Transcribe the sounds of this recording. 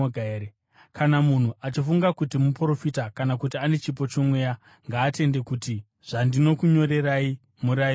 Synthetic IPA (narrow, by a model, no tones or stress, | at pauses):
oɡʱaeɾe | kʰanamun̤uʔat͡ʃifuŋɡakutimupro̞fitakanakutiane̞t͡ʃip̬o̞t͡ʃomwe̞ja | ŋɡaːte̞nde̞kuti | ʐ̥andino̞kuɲo̞ɾe̞rai | muɾai